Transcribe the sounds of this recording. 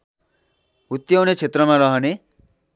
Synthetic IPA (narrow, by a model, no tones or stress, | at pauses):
ut̪jownet͡ʃʰet̪ɾɔmaɾʌɦɔne